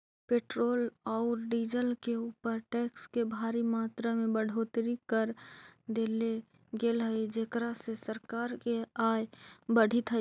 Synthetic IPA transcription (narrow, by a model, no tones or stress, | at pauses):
peːʈɾoːlɔʊɾɖiːd͡ʒəlkeuːpəɾʈɛːkskebʱaːɾimaːt̪ɾamẽbəɽ̤ʱoːt̪ɾikəɾd̪eːle | ɡeːlɦəid͡ʒeːkɾasesəɾkaːɾkeaːjbəɽ̤it̪ɦə